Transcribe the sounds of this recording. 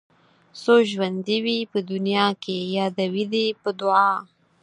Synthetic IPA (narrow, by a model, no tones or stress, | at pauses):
soʒwand̪iwipəd̪ʊnjɑkʰejɑd̪awid̪ipəd̪ʊɑ